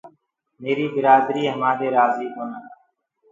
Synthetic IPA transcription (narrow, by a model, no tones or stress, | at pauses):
meːɾiːbɪɾaːd̪ɾiːɦəmaːɗ̪eːɾaːziːk̪onaː